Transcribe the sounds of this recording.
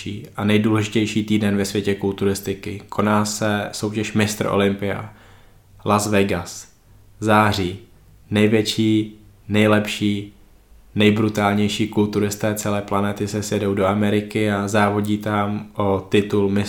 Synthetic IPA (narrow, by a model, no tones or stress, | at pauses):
iːʔanɛjduːlɛʒɪcɛjʃiːt̪iːdɛnvɛsvʋjɛcɛkult̪uɾɪst̪ɪkɪkʰo̞naːsɛso̞wcɛʃmɪst̪ɾʔo̰lɪmpɪa̰ | lʔazvɛɡas | zaːr̝iː | nɛjvjɛt͡ʃiːnɛjlɛpʃiː | nɛjbɾut̪aːlɲɛjʃiːkult̪uɾɪst̪ɛːt͡sɛlɛːplanɛt̪ɪsɛsjɛdowdoamɛɾɪkɪazaːvo̞ɟiːt̪amʔot̪ɪt̪ulmɪ